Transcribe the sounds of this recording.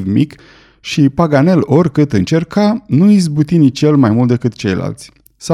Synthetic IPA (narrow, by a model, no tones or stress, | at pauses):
vmḭk | ʃipaɡane̞lo̞rʲkɨt̪ɨnt͡ʃe̞rkanuizbut̪init͡ʃje̞lmajmult̪d̪ekɨt̪̚t͡ʃe̞̰jla̰lt̪sʲ | sa